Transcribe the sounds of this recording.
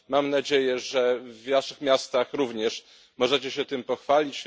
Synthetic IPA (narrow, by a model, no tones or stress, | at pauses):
mamnad͡ʑejɛʐɛvnaʂɘxmʲjast̪axɾuvɲɛʂ | mɔʐɛt͡ɕɛɕɛt̪ɘmpɔxfalʲit͡ɕ